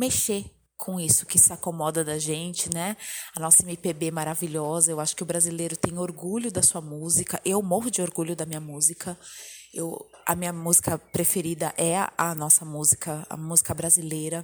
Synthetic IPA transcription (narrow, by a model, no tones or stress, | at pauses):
meʃe | kʰõisʊ̥kɪsɪakomɔd̪ɐd̪ɐʒẽnt͡ʃɪnɛɐnɔsɐemipebemaɾaviʎɔzɐewaʃʊ̥kɪʊbɾazilejɾʊt̪ẽj̃oɾɡuʎʊd̪ɐsuɐmuzikɐʔewmoɦʊd͡ʒɪoɾɡuʎʊd̪ɐmĩɲɐmuzikʰɐewɐ̰mĩɲɐmuzikɐpɾefeɾid̪ɐʔɛɐnɔsɐmuzikɐɐ̰muzikɐbɾazilejɾɐ